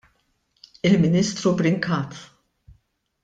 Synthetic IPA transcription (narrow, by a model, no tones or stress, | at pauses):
ɪlmɪniːst̪ɾubɾɪŋkɐːt̪